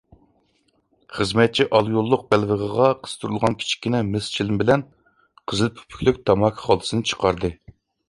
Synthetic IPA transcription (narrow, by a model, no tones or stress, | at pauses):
χəzmɛt̪̚t͡ʃʰiʔɑlˠjolˠːʊq̚bælvəʁəʁɑqʰə̥z̥t̪ʰuɾulˠʁɑnkʲʰi̥t͡ʃʰi̥kʲːinɪmɪst͡ʃʰilɪmbɪlɛn | qʰəzlˠpʰy̥pʰy̥kʲlykʲt̪ʰɑmɑkʲʰχɑlˠɨsɨnɨt͡ʃʰə̥qʰɑɾd̪ɨ